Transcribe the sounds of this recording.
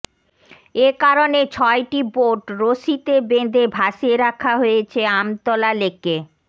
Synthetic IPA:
ekaɾonet͡ɕʰɔeʈiboʈɾoʃit̪ebed̪ʱebʱaʃeɾakʰaɦojet͡ɕʰeamt̪ɔlalekːe

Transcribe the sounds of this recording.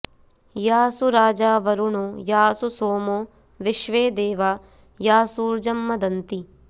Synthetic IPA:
jaːsuɾaːd͡ʒaːʋɐɾuɳujaːsusoːmoː | ʋɪʃʋeːd̪eːʋaː | jaːsuːɾd͡ʒɐmːɐd̪ɐnt̪i

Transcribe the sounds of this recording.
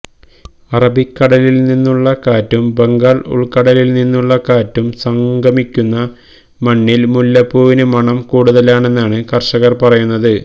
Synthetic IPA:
ɐrɐbikːɐɽɐlilninːuɭːɐkaːtːumbeŋɡaːɭṵɭkɐɽɐlilninːuɭːɐkaːtːumsɐŋɡʱɐmikʲːunːɐ | mɐɳːilmulːɐpːuːʋinɨmɐɳɐmkuːɽuðɐlaːɳe̞nːaːɳɨkɐrʂɐɣɐrpɐrɐjunːɐðɨ

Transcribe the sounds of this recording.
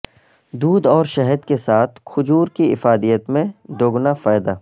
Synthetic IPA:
d̪uːd̪ɔːɾʃɛɦəd̪kesaːt̪ʰkʰʊd͡ʒuːɾkiɪfaːd̪ijət̪mẽd̪oːɡnafaːjd̪aː

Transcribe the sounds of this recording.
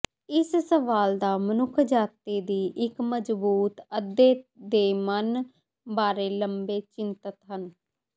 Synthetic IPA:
ɪssəʋaːld̪aːmənʊkʰd͡ʒaːt̪iːd̪iːʔɪkməd͡ʒbuːt̪əd̪eːd̪eːmən | baːɾeːləmbeːt͡ʃɪnt̪ət̪ɦən

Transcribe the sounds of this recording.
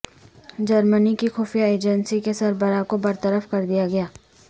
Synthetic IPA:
d͡ʒɐɾmənikixɔːfijaeːd͡ʒənsikesɐɾbəɾakobɐɾt̪əɾəfkɐɾd̪ijaɡɐjaː

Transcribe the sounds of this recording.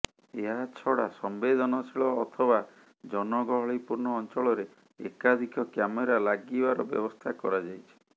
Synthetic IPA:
eɦat͡ʃʰɔɽa̰sɔmbed̪ʱɔnɔt͡ʃʰiɭɔːt̪ʰɔba | d͡ʒɔnɔɡɔɦɔɭipuɾnɔːnt͡ʃɔɭɔɾḛː | kad̪ʱikɔkjameɾalaɡibaɾɔbjɔ̰bɔst̪ʰakɔɾad͡ʒajt͡ʃʰi̥

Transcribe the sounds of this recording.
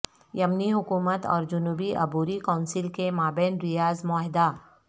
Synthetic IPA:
jɐmniɦʊkuːmət̪ɔ̰ːɾd͡ʒʊnuːbiʔɐbuːɾikaːʊnsɪlkemaːbeːnɾɪjaːzmɔːɦɪd̪aː

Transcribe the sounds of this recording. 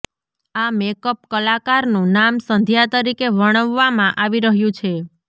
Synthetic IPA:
amekəpkəlakaɾnũnamsənd̪ʱjat̪əɾikeʋəɽ̃əʋːamãʔaʋiɾəɦjũt͡ʃʰe

